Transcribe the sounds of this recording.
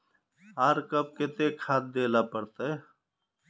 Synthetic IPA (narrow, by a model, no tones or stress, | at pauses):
ɦaːɾkəb̚ket̪eːkʰaːt̪̚d̪eːlaːpəɽt̪aeː